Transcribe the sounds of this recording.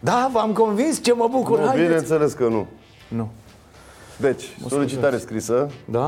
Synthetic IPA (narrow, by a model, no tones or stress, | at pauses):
d̪avəamkõnvinst͡ʃe̞məbukuɾabinenseleskənu | nu | d̪et͡ʃʲsolit͡ʃit̪aɾeskɾisəd̪a